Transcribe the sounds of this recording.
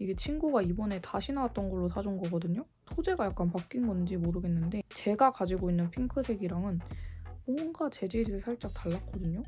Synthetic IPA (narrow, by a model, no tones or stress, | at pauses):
iɡe̞t͡ɕʰinɡuɡaibʌne̞taɕʰinawat̚t͈ʌnɡʌɭːosad͡ʑunɡʌɡʌdɯɲo | tʰod͡ʑe̞ɡajak̚k͈anpak͈inɡʌnd͡ʑimoɾɯɡe̞nːɯnde̞t͡ɕe̞ɡakad͡ʑiɡoinːɯnpʰiŋkʰɯsʰe̞ɡiɾaŋɯnmʌnɡat͡ɕe̞d͡ʑeɾisʰesʰaɭt͡ɕ͈ak̚taɭːak͈ʌdɯɲo